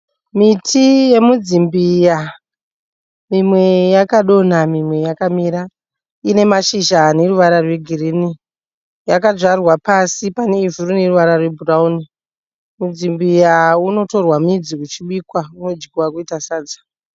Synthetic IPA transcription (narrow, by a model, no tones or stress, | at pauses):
mitʰije̞mud͡zimbija | mimwe̞jakaɗo̞namimwe̞jakamiːɾa | ine̞maʃiʒane̞ruʋaɾarwe̞ɡʱirini | jakaʐarwapasipane̞ivuɾune̞ruʋaɾarwe̞bʱurauni | mud͡zimbijauno̞to̞rwamid͡zikut͡ʃiɓiːkwaunod͡ʒikuwakuitasaːd͡zḁ